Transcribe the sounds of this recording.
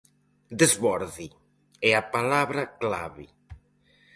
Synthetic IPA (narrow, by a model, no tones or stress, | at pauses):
d̪ezβɔɾði | ɛapalaβɾakla̰βi